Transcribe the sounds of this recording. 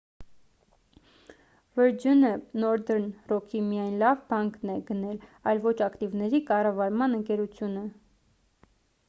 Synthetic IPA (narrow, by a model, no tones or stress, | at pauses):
vəɾd͡ʒunənɔɾd̪əɾnrɔkʰimijɑjnlɑvbɑŋknɛɡənɛlɑjlvɔt͡ʃʰɑkt̪ivnɛɾikɑrɑvɑɾmɑnəŋkɛɾut͡sʰjunə